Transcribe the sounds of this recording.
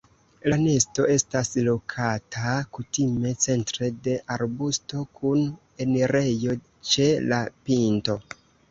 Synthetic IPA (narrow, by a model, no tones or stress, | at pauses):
lane̞sto̞ʔe̞staslo̞kʰatʰakutime̞t͡se̞ntɾe̞de̞ʔaɾbusto̞kʰun | e̞neɾe̞jo̞ | t͡ʃe̞lapinto̞